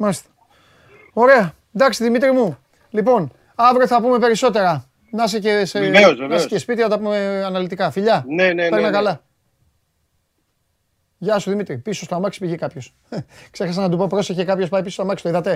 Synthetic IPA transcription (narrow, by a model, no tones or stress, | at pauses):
mɐlist̪ɐ̥ | o̞ɾe̞ɐ | d̪ɐksiðimit̪ɾimu | lipo̞n | ɐvɾoθɐpume̞pe̞ɾiso̞t̪e̞ɾɐ | nɐs̬eceseeozevɐeicispit̪iɐot̪ɐpumeɐnɐlit̪ikɐfiʎɐneneeɾnɐkɐlɐ | ʝɐsuðimit̪ɾipiso̞st̪oɐmɐksi̥piʝikɐpço̞s | ksexɐs̬ɐnɐt̪upopɾo̞seçekɐpço̞spɐipisost̪oɐmɐkst̪oiðɐt̪e̞